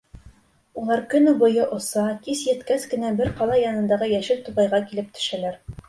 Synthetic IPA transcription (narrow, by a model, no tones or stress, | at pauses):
ulˠɑɾkɵ̆nubŏjɤʔŏsɑk̪isjɘ̆t̪kæskɘ̆næbɘɾqɑlˠɑjɑnɤ̆nd̪ɑʁɤjæʃɘlt̪uʁɑjʁɑkilɘp̚t̪ʰɵ̥̆ʃælæɾ